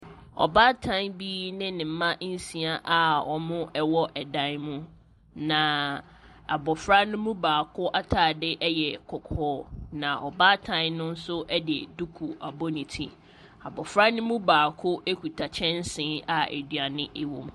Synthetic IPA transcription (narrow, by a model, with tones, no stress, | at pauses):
ɔ̰˨baː˦tʰã˦bi˦nɪ̃˦nɪ̃˨m̩˨˦mã˦ʔn̩˦si˦a˨˦ʔa˨ɔ˨mʊ̃˦ʔɛ˦wɔ˦ʔɛ˨dã˦nmʊ̃˦ | nã˨ | a˨bɔ˨fɾa˦nʊ̃˦mũ˦baː˨kʰʊ˦ʔa˦tʰaː˨dɪ˦ʔɛ˦jɛ˨kʰɔ˨kʰɔː˦nã˨ʔɔ˨baː˦tʰã˦nʊ̃˦n̩˦sʊ˦ʔɛ˦dɪ˨ɛ̰˨du˦kʰu˨a˨bɔ˦nĩ˨tʰḭ˨ | a˨bɔ˨fɾa˦nʊ̃˦mũ˦baː˨kʰʊ˦ʔe˦kʰu˨tʰa˨t͡ɕʰɛ̃˦n̩˦sɪ̃˨˦a˨ḛ˨dɥa˨nɪ̃˦ʔɪ˦wõ̰˨m